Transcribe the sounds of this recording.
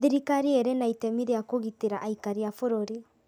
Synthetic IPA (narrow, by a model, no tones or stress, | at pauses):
ðiɾikaɾieɾenaitɛmiɾejakoɣiteɾaʔaikaɾiafoɾoɾi